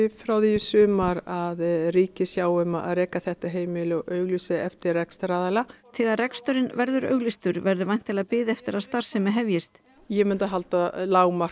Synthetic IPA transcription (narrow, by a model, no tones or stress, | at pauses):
ɪfɾawðijʏsʏːmaɾaðriːcɪsjaːwʏmaa̰ðrɛːkaθɛht̪aɦeːjmɪlʏʔœːɥɣlisɪɛft̪ɪrːɛkst̪ɾaːðalaθɛːɣaɾrɛkst̪œɾɪnvɛɾðʏɾœ̰ɥɣlist̪ʏɾvɛɾðʏvajn̥t̪ʰɪlaðpɪːðɪɛft̪ɪɾaðst̪aɾ̥sɛmɛɦɛvjɪst̪ | jɛmɪnt̪aɦalt̪alaːwmḁ